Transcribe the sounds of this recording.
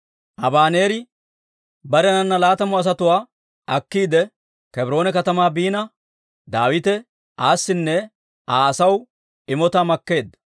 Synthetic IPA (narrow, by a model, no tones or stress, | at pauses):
ʔɐbaːne̞ːɾɪ | bɐɾɛnɐnːɐlaːt̪ɐmɔɐs̬ɐt̪ʊwaː | ʔɐkːiːd̪ɛ | kɛbɪɾo̞ːnɛkɐt̪ɐmaːbiːnɐ | d̪aːwɪt̪ɛ | ʔaːsːɪnːɛ | ʔaːɐsɐw | ɪmɔt̪amɐkːe̞ːd̪